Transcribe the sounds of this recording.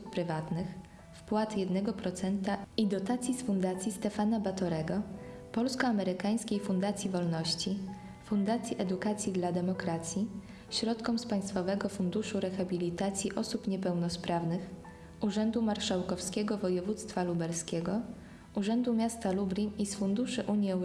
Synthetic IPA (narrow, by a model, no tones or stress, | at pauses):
uppɾɘvat̪nɘx | fpwat̪jɛd̪nɛɡɔpɾɔt̪sɛnt̪aid̪ɔt̪at̪sʲjisfund̪at̪sʲjist̪ɛfanabat̪ɔɾɛɡɔpɔlskɔamɛɾɘkaj̃skʲejfund̪at̪sʲjivɔlnɔɕt͡ɕi | fund̪at̪sʲjiʔɛd̪ukat̪sʲjid̪lad̪ɛmɔkɾat̪sʲji | ɕɾɔt̪kɔmspaj̃st̪fɔvɛɡɔfund̪uʂuɾɛxabʲilʲit̪at̪sʲjiʔɔsupɲɛpɛwnɔspɾavnɘx | ʔuʐɛnd̪umaɾʂawkɔfskʲɛɡɔvɔjɛvut̪st̪falubɛɾskʲɛɡɔ | uʐɛnd̪umʲjast̪alubɾʲiisfund̪uʂɘʔuɲjiɛw